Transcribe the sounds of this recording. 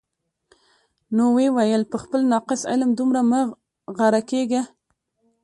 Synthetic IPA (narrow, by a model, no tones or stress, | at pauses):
nowewajəlpəxpəlnɑqɪsɪ̰lmd̪umɾamə | ɣaɾakeɡa